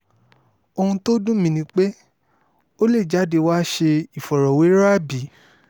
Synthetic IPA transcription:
o˧hũ˧to˦dũ˦mĩ˧nĩ˧˦k͡pe˦ | o˦le˦˨d͡ʒa˨˦de˧wa˦ʃe˧i˨fɔ˨ɾɔ˨we˨˦ɾa˦˨bi˨˦

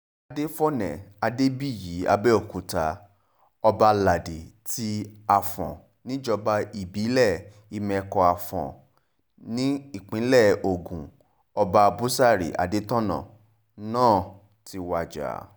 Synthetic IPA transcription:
a˧de˦fɔ˦nɛ̰̃˨a˧de˦bi˦˨ji˨˦a̰˧bɛ˦ɔ˦˨ku˨ta˧ | ɔ˧ba˧la˨de˨ti˧a˨fɔ̰̃˨ | nĩ˦d͡ʒɔ˧ba˧i˨bi˨˦lɛ˦˨ | i˧mɛ̃˧kɔ˧a˨fɔ̰̃˨ | nĩ˦i˦˨k͡pĩ˨˦lɛ˦˨o˨ɡũ˨ | ɔ˧ba˧bu˦sa˦˨ɾḭ˨ʔa̰˨de˦tɔ̃˦nã̰˨ | nãː˦˨ | ti˧wa˧d͡ʒa̰˨

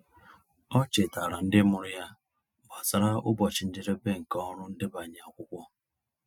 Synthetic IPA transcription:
ɔ˦t͡ʃe˨ta˨ɾa˨n̩˦dɪ˦mʊ˨ɾʊ˦ja˦ | ba˨sa˨ɾa˦ʊ˦bɔ˨t͡ʃɪ˨n̩˦dɪ˦ɾe˦be˦ŋ̩˨kɔ˦ɾʊ˦n̩˦dɪ˦ba˨ɲ˨a˨kʷʊ˦kʷɔ˦

